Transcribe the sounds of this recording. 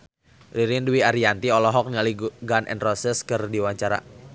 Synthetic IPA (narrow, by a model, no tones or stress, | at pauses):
riɾinduwiaɾiant̪iɔlɔɦɔk̚nialiɡanʔɛ̰nrɔsɛskɨrdiwaɲt͡ʃaɾa̰